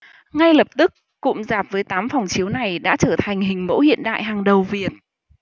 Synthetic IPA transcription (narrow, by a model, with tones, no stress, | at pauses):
ŋa˧jlə˨˩p̚t̪ɨ˦˥k̚ːʊ̰˧˥ŋ͡mzaː˨˩p̚vəː˨˦jt̪aː˨˦mfɔ˨˩wŋ͡mt͡ɕi˨˦əwna˨˩jɗa̰ː˧˥t͡ɕəː˧˩t̪ʰa˨˩jŋ̟hï˨˩ŋ̟mo̰˧˥hḭ˧˨ənɗa̰ː˧˨jɦaː˨˩ŋɗə˨˩wvi˨˩ət̚